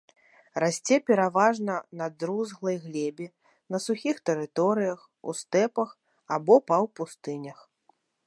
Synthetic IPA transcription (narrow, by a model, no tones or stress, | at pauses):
rasʲt͡sʲɛpʲɛɾavaʐnɐnad̪ɾuzɣlˠɐjɣlʲɛbʲi | nɐsuxʲixt̪ɛɾɨt̪ɔɾɨjɐx | ṵst̪ɛpɐx | abɔpɐwpust̪ɨnʲɐx